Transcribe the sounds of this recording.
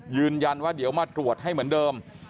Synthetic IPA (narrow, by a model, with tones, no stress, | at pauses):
jɯː˧nja˧nwaː˥˩di˩˦əwmaː˧t̪ɾu˨˩ət̪̚ɦa˥˩jmɯ˩˦ndɤː˧m